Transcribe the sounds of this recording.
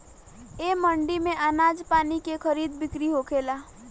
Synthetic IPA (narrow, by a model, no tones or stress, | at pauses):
eːmə̃ɳɖimẽʔənaːd͡ʒpaːnikekʰəɾiːd̪bɪkɾiɦokʰeːlaː